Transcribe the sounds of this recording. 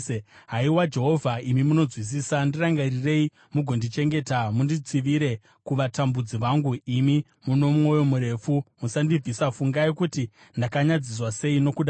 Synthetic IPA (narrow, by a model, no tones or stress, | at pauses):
ɦaiwad͡ʒe̞ɦo̞vʱaimimuno̞d͡zwis̬iːsandiraŋɡarire̞i | muɡʱo̞ndit͡ʃe̞ŋɡe̞tamundit͡siʋiɾe̞ | kuʋatambud͡ziʋaŋɡuimi | muno̞mumo̞jo̞muɾe̞ːfumusandib͡vʱisafuŋɡaikuti | ndakaɲad͡zis̬wase̞ino̞kuɗa